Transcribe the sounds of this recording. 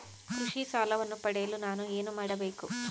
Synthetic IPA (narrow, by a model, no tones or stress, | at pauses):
kɾuʂisaːlɐʋɐnːupɐɽeːlunaːnueːnumɐɽɐbeːku